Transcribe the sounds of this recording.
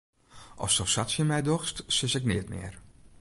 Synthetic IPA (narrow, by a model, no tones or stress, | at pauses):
ʔɔ̰fsɔsatsjəmɛjdɔxstsɪsɛknɪətmɪ̰ːər